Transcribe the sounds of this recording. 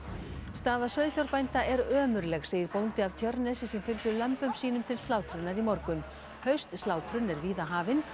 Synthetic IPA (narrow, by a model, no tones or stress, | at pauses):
st̪aːðasœðfjɔɾpajnt̪aʔɛɾœːmʏɾlɛɣseːjɪɾpownt̪ɪavt̪ʰjœɾnɛsɪsɛmfɪlt̪ʏɾlœmpʏmsiːnʏmt̪ʰɪlst̪aːwt̪ʰɾʏnːaɾimɔɾkʏn | hœɥst̪stlaːwt̪ʰɾʏnɛɾviːðaɦaːvɪn